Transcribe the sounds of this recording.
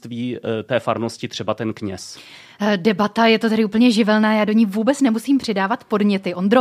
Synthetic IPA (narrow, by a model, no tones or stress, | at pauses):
t̪viːt̪ɛːfaɾnoscɪt̪r̝̥ɛbat̪ɛnkɲɛ̰s | dɛbat̪ajɛt̪o̞t̪ɛɾɪuːpl̩ɲɛʒɪvɛlnaːjaːdo̞ɲiːvuːbɛt͡snɛmusiːmpr̝̥ɪdaːvat̪po̞dɲɛt̪ɪʔo̞nd̪ɾo